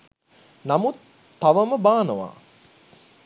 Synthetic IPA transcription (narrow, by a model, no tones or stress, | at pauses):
namut̪ː | aʋəməbaːnəʋa̰ː